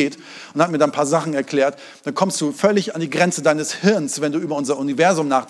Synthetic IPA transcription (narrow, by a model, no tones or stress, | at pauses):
t | ʔʊnthat̚miːɐdaːnpʰaːɐzaχn̩ɛɐkl̥ɛːɐt | d̥ankʰɔmstd̥uːfœlɪçandiːɡʁɛnt͡sədaɪnəshɪɐnsv̥ɛnduːʔyːbɐʊnzɐʔʊnivɛɐzʊmnaːχ